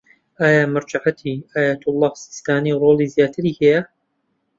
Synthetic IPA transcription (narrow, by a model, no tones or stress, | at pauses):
ʔaːjaːmɨɾd͡ʒaʕat̪ʰiːaːjaːt̪ʊlˤˠːɑːhsɪ̥st̪aːniːroːlˠizijaːt̪ʰɨɾiːhɛja